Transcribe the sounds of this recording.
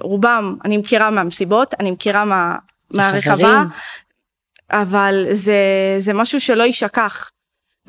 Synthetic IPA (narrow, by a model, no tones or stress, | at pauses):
ʁubamanimkiʁameamesibo̞tanimkiʁamea | meaʁeχava | ʔavalzezemaʃuʃe̞lo̞iʃakaχ